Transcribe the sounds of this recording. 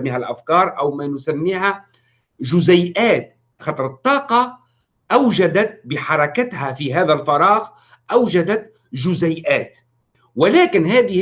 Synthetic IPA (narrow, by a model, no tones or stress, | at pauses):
mːiːhælʔafkɑːɾˤʔawmænʊsamːiːhæ | ʒʊzajʔæːt̪ | xɑt̪ˤɾˤɨt̪ˤːɑːqɑ | ʔawʒad̪at̪̚bɪħɑɾˤɑkat̪hæfiɦæːðælfɑɾˤɑːɣ | ʔawʒad̪at̪ | ʒʊzajʔæːt̪ | wɪlæːkɪnɦæːðɪh